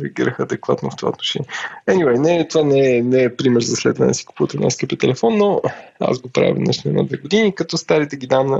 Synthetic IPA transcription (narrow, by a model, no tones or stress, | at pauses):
ɾɛɐɡiɾəxəɐd̪ɛkva̰t̪noft̪o̥va̰ot̪noʃɛ̰niɛɛniwɛjnɛt̪ovanɛːnɛːpɾimɛɾzɐslɛd̪vɐnɛ̰d̪si̥kupuvət̪ɛna̰skəpɛt̪ɛlɛfɔnːɔa̰zɡopɾa̰v̰ʲnə̰ʃniɛna̰d̪vɛɡod̪inikɐt̪ɔst̪aɾit̪ɛɡid̪am